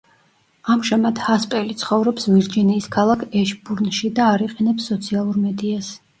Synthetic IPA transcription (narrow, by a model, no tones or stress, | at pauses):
amʒamad̪haspʼɛlit̪sʰχɔvɾɔpsviɾd͡ʒiniːskʰalˠakʰɛʃbuɾnʃid̪aːɾiqʼɛnɛpsːɔt̪sʰialˠuɾmɛd̪ias